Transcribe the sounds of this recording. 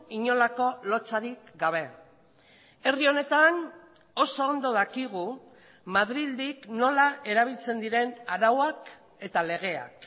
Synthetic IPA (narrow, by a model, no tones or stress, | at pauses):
iɲo̞lako̞lo̞t͡saɾikɡaβ̞e̞ | e̞rio̞ne̞t̪an | o̞so̞ːnd̪o̞ðakiɣ̞u | maðɾild̪ikno̞laʔe̞ɾaβ̞ilt͡se̞nd̪iɾe̞naɾawak | e̞t̪ale̞ɣ̞e̞a̰k